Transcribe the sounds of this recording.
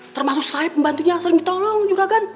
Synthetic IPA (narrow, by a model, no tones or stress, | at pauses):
t̪ərmasʊk̚sajapəmbant̪uɲasəɾɪŋdit̪ɔlɔŋd͡ʒuɾaɡan